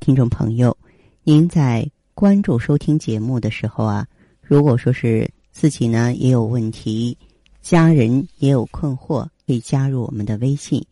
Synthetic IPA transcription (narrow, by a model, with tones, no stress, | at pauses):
t̪ʰi˥ŋʈ͡ʂʊ˥˩ŋpʰɤ̰˧˥ŋjo˥˧ʊ | ni˧˥nt͡sa˥˩ɪ | kwa˥nʈ͡ʂu˥˩ʂo˥ʊt̪ʰi˥ŋt͡ɕjɛ˧˥mu˥˩d̪ə˩ʂɻ̩˧˥xo˧ʊɐ˩ | ɻu˧˥kwɔ˨˩ʂwɔ˥ʂɻ̩˥˧ | t͡sɹ̩˥˩t͡ɕi˨˩nə˧jɛ̰˧˥jo˨˩ʊwə˥˩nt̪ʰi˧˥ | t͡ɕja˥ɻə˧˥njɛ˧˥jo˨˩ʊkʰwə˥˧nxwɔ˥˩kʰə˧˥i˨˩t͡ɕja˥ɻu˥˩wɔ̰˨˩mə˦nd̪ə˧we˥ɪɕi˥˩n